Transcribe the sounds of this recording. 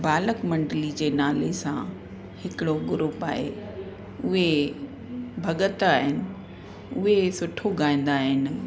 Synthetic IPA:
baːləkmɐ̃ɳɖlid͡ʑeːnaːlesã̰ | hɪkɪɽoɡʊɾʊpa̰ːɦḛ | ʊɦe | bʱɐɠət̪aːɦɪnɪ̆ | ʊɦesʊʈʰoɡaːĩːn̆d̪aːɦɪn̆

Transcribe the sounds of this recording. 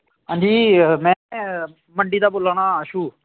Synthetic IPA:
ɦãːɲd͡ʒiːmɛ̃ː | məɳɖiːd̪aːboːlaːɽaːəʃuː

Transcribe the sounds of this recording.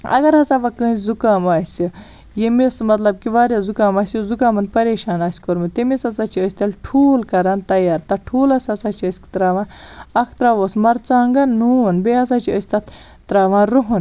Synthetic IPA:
ɐ̰ɡɐɾɦɐt͡saːʋɐkəːsʲzukaːmaːsʲi | jemismɐt̪lɐb̚kiʋaːɾʲazukaːmaːsʲjuzukaːmɐnd̪̚pɐɾeːʃaːnaːsʲkoɾmɨt̪emesɐt͡saːt͡ʃʰiəsʲt̪ɐlʈʰuːlkɐɾaːnt̪ɐjaːɾt̪ɐʈʰuːlɐsɐsat͡ʃʰiəsʲkt̪ɾaːʋãːɐkʰt̪ɾaʋoːsmɐɾt͡saːŋɡɐnːuːnbeas̬aːt͡ʃʰiəsʲt̪ɐt̪ʰ | t̪ɾaːʋãːɾuɦun

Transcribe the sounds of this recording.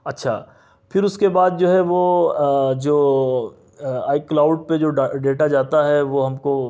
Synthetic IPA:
ɐtːʃʰaː | fʰɪɾʊskebaːd̪̚d͡ʒoːɦɛʋo | d͡ʒoː | aːɪklaːʊɖped͡ʒoːɖeːʈad͡ʒaːt̪aɦɛʋoɦɐmko

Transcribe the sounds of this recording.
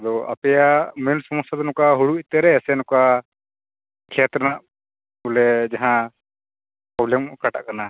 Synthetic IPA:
d̪ɔa̰pɛjamilsɔmɔst̪ad̪ɔnɔkaɦuɽuit̪ɛɾɛːsɛnɔka | kʰɛt̪ɾənaʔ | bulɛd͡ʒaɦã | pɾɔblɛmkaʈa̰ʔkana

